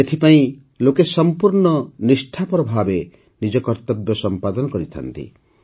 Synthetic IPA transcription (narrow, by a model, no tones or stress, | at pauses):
et̪ʰipaĩ | lokesɔmpuɾɳɔnisʈʰapɔɾɔbʱabe | nid͡ʒɔkɔɾt̪ɔbjɔsɔmpad̪ɔnɔkɔɾit̪ʰa̰nt̪ḭ